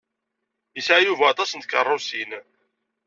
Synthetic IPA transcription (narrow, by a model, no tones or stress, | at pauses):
jəsʕajuvæːt̪ˤɑsənt̪kə̰rˤːosin